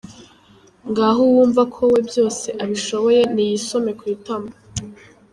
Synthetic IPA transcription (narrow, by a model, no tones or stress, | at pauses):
ŋɡaːɦowuːɱvakʰo̞we̞bjo̞ːse̞ʔaβiʃo̞βo̞je̞nijiso̞me̞kwitama